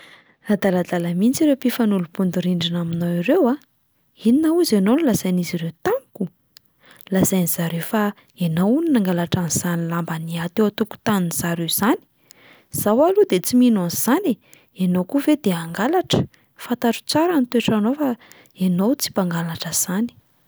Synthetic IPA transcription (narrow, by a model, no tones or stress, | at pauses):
ad̪alad̪alamint͡siɾewpifanulupund̪uɾiɳɖ͡ʐinaminowiɾewa | ininauzanonilazajniziɾewt̪aniku | lazajniz̥aɾewfa | enowuninaŋɡalaʈ͡ʂanz̥anilambaniat̪ewat̪uku̥t̪aninz̥aɾewz̥ani̥ | z̥awalud̪et͡siminanz̥ani | enowkuved̪eaŋɡalaʈ͡ʂə̥ | fant̪aʈ͡ʂu̥t͡saɾanit̪weʈ͡ʂanofa | enowt͡si̥paŋɡalaʈ͡ʂəz̥ani̥